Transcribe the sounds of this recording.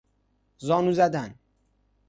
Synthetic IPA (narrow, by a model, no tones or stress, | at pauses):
zɒːnuzæd̪æn